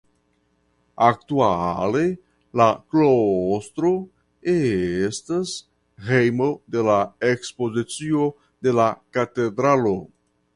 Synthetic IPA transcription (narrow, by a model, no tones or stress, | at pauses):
ak̚tuale̞ | laklost̪ɾo̞ | estas | hejmo̞de̞laekspo̞zit͡sio̞ | de̞lakate̞dɾalo